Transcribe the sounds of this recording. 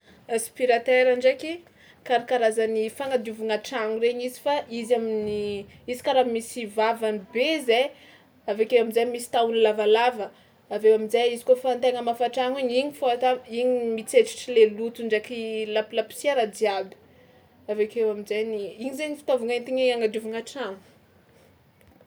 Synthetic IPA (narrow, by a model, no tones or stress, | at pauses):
aspiɾat̪eɾaɳɖ͡ʐaki | kaɾakaɾazənifaŋad̪iuvuŋaʈ͡ʂaŋureɲizifaʔizaminiizi̥kaɾamisivavanibeze | avekewaminzajmisi̥t̪awunilavalavə | avewaminzajizi̥kofant̪eŋəmafaʈ͡ʂaŋiɲiɲifoat̪aiɲimit͡seʈ͡ʂi̥ʈ͡ʂilelut̪uɳɖ͡ʐakilapilapi̥siaɾadiabi̥ | avekewaminzajniiɲizejnifi̥t̪ovuŋaint̪iɲeaŋad̪uvuŋaʈ͡ʂaŋu̥